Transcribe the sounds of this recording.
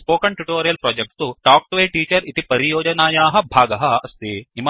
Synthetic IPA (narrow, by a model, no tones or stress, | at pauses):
spoːkɐɳʈuʈoːɾijɐlpɾɔːd͡ʒek̚ʈt̪uʈaːk̚ʈʋeːʈiːt͡ʃɐɾit̪ipɐɾijoːd͡ʒɐnaːjaːɦɐ̆bʱaːɡɐɦɐɐst̪eːim